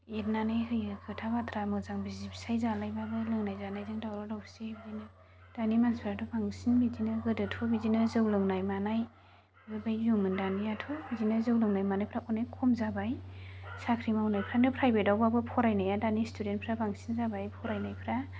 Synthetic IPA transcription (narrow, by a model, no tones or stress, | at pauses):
et̚nanɯjɦɯjɯkʰɯtʰabatʰɾamɯzaŋbizibisajzalajbabɯlɯŋnajzanajzɯŋdawɾɔdawsebizinɯ | d̥animanspʰɾatʰɔbaŋsinbizinɯɡɯdɯtʰɔbizinɯzɯwlɯŋnajmanaj | bɯbajjuŋɯndaniatʰɔbizinɯzɯwlɯŋnajmanajpʰɾaʔunajkʰɔmzabajsakʰɾimawnajpʰɾanɯpʰɾajbedawbabɯpʰɔɾajnajadanistʰudent̚pʰɾabaŋsinzabajpʰɔɾajnajpʰɾa